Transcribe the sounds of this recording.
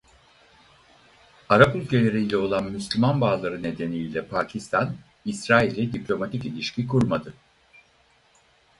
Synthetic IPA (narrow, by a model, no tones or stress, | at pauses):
aɾapylʲcʰe̞lʲe̞ɾilʲɛo̞lˠanmyslʲymanbaːlˠaɾɯne̞d̪e̞nijlʲɛpʰaːcʰist̪ʰan | isɾaːilʲːɛd̪iplʲo̞mat̪ʰicilʲiʃcʰikʰuɾmad̪ɯ